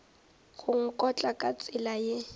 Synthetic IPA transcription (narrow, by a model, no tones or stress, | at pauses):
ɣʊŋ̩kʼɔt͡ɬʼakʼat͡sʼɪlaje